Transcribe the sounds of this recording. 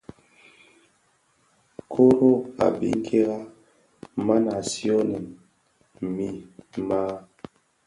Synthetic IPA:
kʰo˦ɾo˦a̰˨bḭ˨˦ŋ̩˦kʰe˦ɣa˦ | ma˦na˨si˦o˦ne˨n | mi˨ma˦

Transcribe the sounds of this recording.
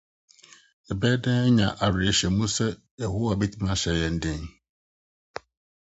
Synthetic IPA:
ɛ˨bɛː˦dɛ̃˦ɲã̰˨ʔa˨ɾɪ˨ɛ˨ɕɛ˨mũ˦sɛ˦ | jɛ˨ho˦wa˨bɛ˦tʰi˦mã˦ɕɛ˨jɛ˨n̩˨dɪ̃˦ŋ

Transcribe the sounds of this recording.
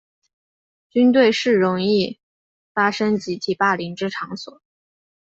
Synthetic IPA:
t͡ɕy˥nt̪̬we˥˧ɪʂɻ̩˥˩ɻʊ˧˥ŋi˥˩ | fa˥ʂɤ˥ŋt͡ɕi˧˥t̪ʰi˨˩pa˥˩li˧˥ŋʈ͡ʂɻ̩˥ʈ͡ʂʰɑ˧˥ŋswɔ˨˩˦

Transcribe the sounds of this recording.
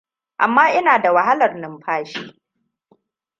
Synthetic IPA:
ʔa̰˨mːaː˦ʔɪ˦naː˨da˨wa˨ɦa˦lɐ˨rnɪ˨mɸaː˦ʃiː˦

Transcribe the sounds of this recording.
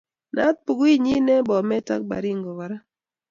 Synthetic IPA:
na˦t̪̚pu˨ɡwi˦ɲi˦nɛ˦bɔ˨mɛ˦ta̰˦k̚ba̰˨ɾi˦˨ŋɡɔ˨wa˨ɾa˦

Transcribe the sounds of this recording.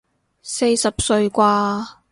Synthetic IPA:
se˧jsɐ˨p̚sɵ˧ɥkʷaː˧

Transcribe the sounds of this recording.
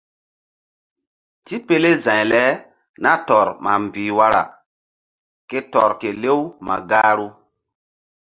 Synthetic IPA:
ti˦pe˦le˦zã˨jlɛ˦ | na˦tɔ˨ɾma˨m˨biː˨wa˦ɾa̰˨ | ke˦tɔ˨ɾke˨le˦wma̰˨ɡaː˦ɾu˦

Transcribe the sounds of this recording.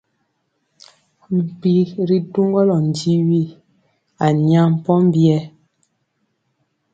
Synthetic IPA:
m̩˨pi˨˦ɾi˨tu˦ŋɡɔ˦lɔ˨n̩˨d͡ʒi˦wi˦ | a˨ɲa˦˨m̩˨pɔ˦m˦bjɛ˦

